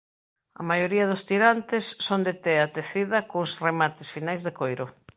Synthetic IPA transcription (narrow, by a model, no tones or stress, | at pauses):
ɐ̰majoɾiɐð̞ʊst̪iɾant̪ɪsːond̪et̪eat̪eθiðɐkosremat̪ɪsfinajzðekojɾʊ